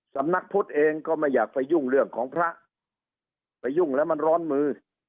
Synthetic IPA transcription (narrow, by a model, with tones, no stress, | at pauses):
sa˩˦mna˦˥k̚pʰu˦˥t̪̚ʔeː˧ŋkɔː˥˩ma˥˩jːaː˨˩k̚pa˧jːu˥˩ŋɾɯ˥˩əŋkʰɔː˩˦ŋpʰɾa˦˥ʔ | pa˧jːu˥˩ŋlɛː˦˥wma˧nɾɔː˦˥nmɯː˧